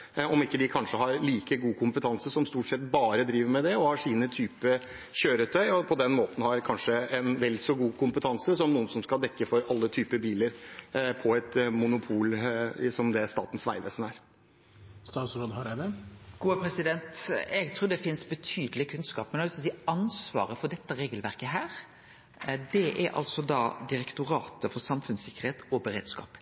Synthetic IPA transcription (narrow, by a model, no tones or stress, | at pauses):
ɔmɪkːəd̪ɪkʰɑnʂəɦɑɾliːkəɡuːkʰʊmpət̪ʰɑnsəsɔmst̪uːʈsɛt̪ːbɑːɾəd̪ɾiːʋəɾmɛd̪ɛɔhɑʂiːnət̪ʰyːpə | çøːɾət̪ʰœʏɔpʰɔd̪ɛnmoːt̪n̩hɑɾkʰɑnʂəɛnʋɛlsɔɡuːkʰʊmpət̪ʰɑnsəsɔmnuːənsɔmskɑld̪ɛkːəfɔɾɑlːət̪ʰyːpəbiːləɾpʰɔɛt̪mʊnʊpʰuːlsɔmd̪ɛst̪ɑːt̪n̩sʋæ̰ɪʋ̪əsənæɾ | st̪ɑːt̪sɾoːd̪hɑɾæʋɛɡ̥uːəpʰɾɛsɪd̪ɛnt̪ɛɡt̪ʰɾuːɖ̪ɛfɪnsbət̪ʰyːd̪əlɪkʰʉnskɑ̰ːpmɛnssiːɑnsʋɑ̰ːɾəfɔɖ̪ɛt̪ːəɾeːɡəlʋæɾkəɦæːɾ | d̪ɛʔæɾʔɑ̰lsɔd̪ɑːd̪ɪɾɛkt̪ʊɾɑːt̪əfɔɾsɑmfʉnsɪkːəɾheːt̪ɔbəɾḛːd̪skɑ̰ːp